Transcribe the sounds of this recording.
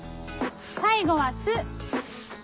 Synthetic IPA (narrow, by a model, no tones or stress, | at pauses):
saiɡo̞βasɨ